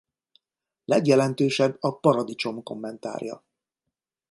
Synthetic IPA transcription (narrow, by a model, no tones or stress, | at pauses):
lɛɡjɛlɛnt̪øːʃɛbːɒpɒɾɒd̪it͡ʃo̞mko̞̰mːɛnt̪a̰ːrjɒ̰